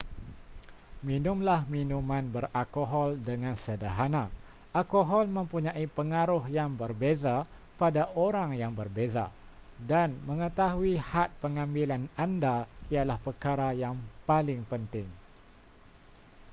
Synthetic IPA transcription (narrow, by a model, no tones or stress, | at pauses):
mĩnʊmlahminũmãnbəralkoɦɔldəŋãnsədəɦana | alkoɦɔlmə̃mpuɲãʔipəŋaɾʊhjaŋbərbeza | padaʔoɾaŋjaŋbərbeza̰danmə̃ŋət̪aɦuihat̪̚pəŋãmbilanandaijalahpərkaɾajaŋpalɪŋpənt̪ɪŋ